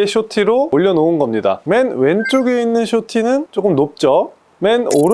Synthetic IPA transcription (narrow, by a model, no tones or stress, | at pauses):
eɕʰotʰiɾooʎːʌnounɡʌmɲida̰me̞nwe̞nt͡ɕ͈oɡe̞inːɯnɕʰotʰinɯnt͡ɕ͈okɯmnop̚t͡ɕ͈ʌ | me̞noɾ